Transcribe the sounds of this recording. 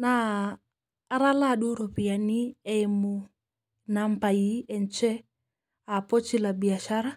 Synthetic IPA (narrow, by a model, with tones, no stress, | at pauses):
na˨ | ɾa˦la˨ɗu˦ɾo˨pi˨a˨ni˦ɛ˦mu | nampa˨ji˦ɛ˨nt͡ʃɛ˦ | a˨pɔ˦t͡ʃi˦la˨bi˨a˨ʃa˦ɾa˦